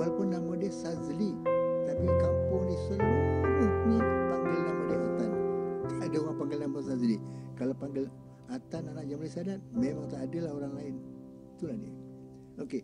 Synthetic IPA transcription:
walapʊnːamadiəhsazli | t̪apikampʊŋnisəlmaŋaanipaŋɡɪlnamadaat̪ant̪adəmapaŋɡɪlnambsazlikalapaŋɡɪl | at̪ananaʔd͡ʒamlisadat̪̚memaŋt̪aːdəlahoɾaŋlaɪn | t̪ulahdḭ | oke

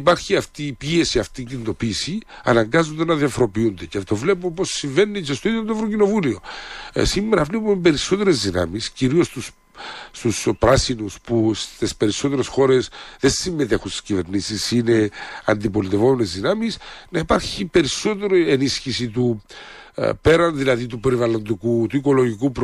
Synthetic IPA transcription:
ipɐɾçiɐft̪iːpie̞siɐft̪icinit̪o̞piːsiɐ̰nɐŋɡɐzond̪enɐðiɐfoɾo̞piund̪eceft̪ovlepumposːiɱve̞nːicest̪oiðjond̪oevɾocino̞vuliosimːeɾɐvlepumebe̞ɾiso̞t̪e̞ɾezðinɐ̰misciɾio̞st̪us | st̪uspɾɐsinuspust̪espe̞ɾiso̞t̪e̞ɾe̞sxo̞ɾe̞sðensimːe̞t̪e̞xunst̪i̥scive̞ɾnisisine̞ɐ̰nd̪ipo̞lit̪evo̞menezðinɐmisnɐipɐɾçipe̞ɾiso̞t̪̬e̞ɾoie̞nisçisit̪u | pe̞ɾɐnðilɐðit̪upe̞ɾivɐlo̞nd̪ikut̪uiko̞lo̞ʝikupɾ

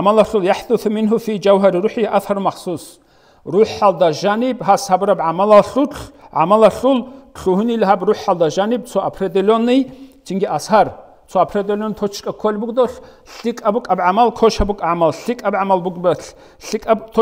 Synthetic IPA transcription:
ʕamalaɬuljaħd̪uθmɪnɦufid͡ʒawɦaɾiɾuħijʔaθhaɾmaχsuːs | ruħald̪aʒanibɦashabɨɾabʕamalaɬut͡ɬʕa̰malaɬulɬuɦunilɦabruħald̪aʒanib̚t͡sʰɔʔapʰred̪elɔnijt͡ʃʰiŋɡiʔashar | t͡sʰɔapʰred̪elɔnt̪ʰɔt͡ʃʰkʼɐkʰɔlbuɡʼd̪ɔɬ | ɬikʼabukʼabʕamalkʰɔʃhabukʼʕamalɬikʼabʕamalbuɡbɐɬ | ɬikʼabt̪ʰ

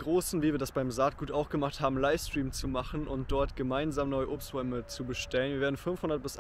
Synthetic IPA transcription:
ɡʁoːsn̩viːviːɐdasb̥aɪmzaɐt̚ɡ̥uːtʔaʊxɡ̥əmaχthaːbm̩laɪfstʁ̥iːmt͡sumaχn̩ʊnt̚d̥ɔɐtɡ̥əmaɪnzaːmnɔʏəʔoːpstʁ̥ɔʏmət͡subəʃtɛlənviːeːɐdn̩fʏnfhʊndɐt̚b̥ɪsʔ

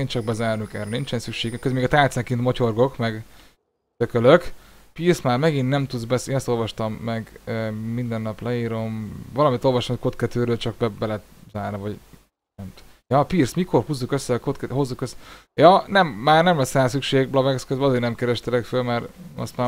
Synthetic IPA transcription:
eːnt͡ʃɒɡ̚bɛzaːrnykɛ̰rɛnint͡ʃɛnsykʃeːɡkøzmeːɡɒt̪aːt̪sɛŋkint̪mo̞co̞rɡo̞kmɛɡ | t̪økøløkpiːrsmaːrmɛɡinːɛmt̪ud̪zbɛseːnɛst̪o̞lvɒʃt̪ɒmːɛɡmind̪ɛnːɒplɛiːɾo̞mvɒlɒmit̪o̞lvɒʃt̪ɔmko̞t̪kɛt̪øːɾøːlt͡ʃɒk̚bɛbɛlɛt̪ | zaːrnivɒɟ | nɛmt̪ | jɒpiːrsmikʰo̞rhuzːukøsːɛkot̪kɛɦo̞zːukøs | jɒnɛmːaːrnɛmlɛsːɛsykʃeːɡblɒbɛkskøzbɛɒzeːɾnɛmkɛɾɛʃt̪ɛlɛkfølmɛɾɒ̰st̪maː

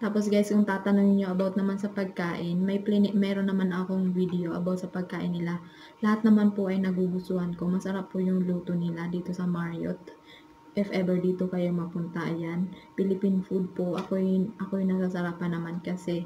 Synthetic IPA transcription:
t̪aːpo̞s̬ɡajskʊŋt̪aːt̪ɐnoŋɪɲːoʔɐbawt̪̚nɐmansɐpɐɡ̚kaːʔɪnmɐjplmɛːɾonːɐmanɐko̞ŋvid̪ɛʔoʔɐ̰bawt̪sɐpɐɡ̚kaːʔɪnːɪla | lɐhat̪̚nɐmanpoʔɐjnɐɡuɡʊst̪ʊhɐnkomɐsɐɾapːʊjʊŋluːt̪onɪlad̪iːt̪o̞sɐmaɹjo̰t̪̚ | ʔɛfʔɛbɛɹd̪iːt̪o̞kɐjo̞mɐpʊnt̪ɐʔjanpɪlɪpinfud̪̚poʔɐkoʔɐkojŋnɐsasɐɾaːpɐnɐmankɐsɛ

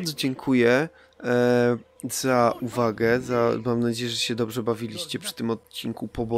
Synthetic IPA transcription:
ɾd̪zɔd͡ʑɛŋkʰujɛ | z̥aʔuvaɡɛzamamnad͡ʑejɛʐɛɕɛd̪ɔbʐɛbavʲilʲiɕt͡ɕɛpʂɘ̥t̪ɘmɔt̪̚t͡ɕːiŋkupɔbɔ

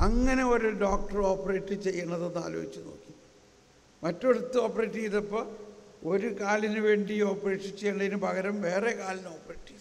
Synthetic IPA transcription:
ɐŋːɐne̞o̞ɾuɖoːk̚ʈɐro̞ːpːɐreːʈːɨt͡ɕe̞jːɐɳːɐðonːa̰ːloːit͡ɕːuno̞̰ːkːi | mɐtːo̞ɽut̪ːɨo̞ːpːɐreːʈːijiðɐpːoːo̞ɾukaːlinɨʋe̞ːɳɖio̞ːpːɐreːʈːɨt͡ɕːejːɐɳːɐðinɨpɐɡɐɾɐmʋe̞ːrekaːlino̞ːpːɐreːʈːi

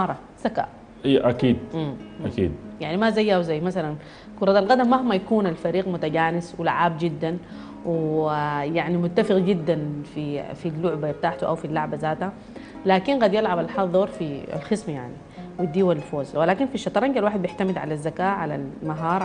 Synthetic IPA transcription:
ɑːɾˤɑ | z̥aka̰ːʔ | ʔiːʔakiːd̪̚ʔmakḭːd̪jaʕnimazajːawzajːmasalan | kʊɾˤɑd̪alɣad̪amːahmːajakuːnalfaɾiːɣmʊt̪aɡaːnɪswɪla̰ʕaːbd͡ʒɪd̪ːan | w | jaʕnimʊt̪ːafɪɣd͡ʒɪd̪ːanfifilːʊʕbab̚t̪aːʕt̪uʔawfilːaʕbazaːt̪ha | laːkinɣaːd̪jɪlʕabalħɑðˤɑɾˤfia̰lxɪsmajaʕni | wid̪ːiːwallfoːzwɪlaːkinfiʃːɑt̪ˤɾˤɑŋɡalwaːħɪd̪̚bjɪħt̪amɪd̪ʕa̰lazːakaːʕala̰lmaɦɑːɾˤ

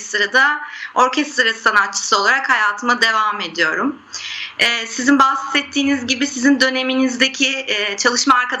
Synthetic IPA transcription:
st̪ɾad̪ao̞ɾcʰɛst̪ɾasanat̪̚t͡ʃʰːɯ̥sɯo̞lˠaɾakhajaːt̪ʰɯmad̪e̞vame̞d̪ijo̞ɾum | ɛːsizinbahssɛt̪ʰːiːnizɟibisizind̪ø̞ne̞minizd̪ecʰit͡ʃʰalˠɯʃmaːɾkad̪

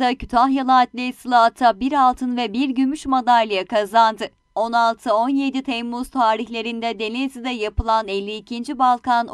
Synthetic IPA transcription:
acʰyt̪ʰanjalˠaːt̪lʲesɯlˠat̪ʰabiɾalˠt̪ʰɯnvɛbiɾɟymyʃmad̪aɾlʲijakʰazand̪ɯ | o̞nalˠt̪ʰɯo̞nje̞d̪it̪ʰɛmːuz̥t̪ʰaːɾiçlʲe̞ɾind̪ɛd̪e̞nezid̪ɛjapɯlˠanɛlʲːiːcʰind͡ʒibalˠkan

